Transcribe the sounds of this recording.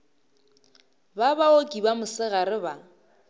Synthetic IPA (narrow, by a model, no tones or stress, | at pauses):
babaokʼibamʊsɪɣaɾɪba